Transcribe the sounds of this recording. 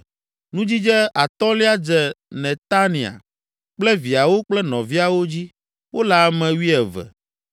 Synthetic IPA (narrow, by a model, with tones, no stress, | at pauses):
nũ˦d͡ʑi˦d͡ʒɛ˦a˨t̪ɔ˦li˦a˦d͡ʒɛ˨nɛ̃˨t̪a˦nĩ˨a̰˨ | k͡plɛ˦vi˨a˨wo˦k͡plɛ˦nɔ̃˨vi˦a˨wo˦d͡ʑi˦ | wʔo˦la˦˨mɛ̃˨wi˦ɛ˨vɛ̰˨